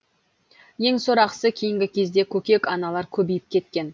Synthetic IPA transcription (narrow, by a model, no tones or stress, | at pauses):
je̞ŋsoɾɑqsəkʲʰejɪŋɡʲɪkʲʰe̞zd̪e̞kʲʰɵkʲe̞kɑnɑlˠɑɾkʲʰɵbijɪp̚kʲʰe̞t̪̚kʲe̞n